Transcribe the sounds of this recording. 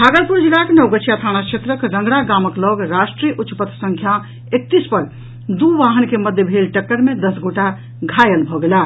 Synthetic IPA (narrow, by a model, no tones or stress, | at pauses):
bʱaɡəlpuɾd͡ʒilaknəwɡəʃʰijat̪ʰañat͡ʃʰet̪ɾəkɾə̃ŋɡɾaɡaməklɔɡɾasʈɾijʔutːt͡ʃːpət̪ːsə̃ŋkʰja | ek̚t̪ispəɾ | d̪uʋaɦənkeməd̪ʱjəbʱelʈəkːəɾmed̪əsɡoʈa | ɡʱajəlbʱɔɡela